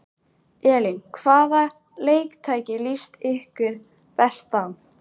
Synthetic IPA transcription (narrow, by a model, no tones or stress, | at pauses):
ɛːliŋkʰvaːða | leːjkt̪ʰaːjcɪlist̪ɪhkɪɾ | pɛst̪an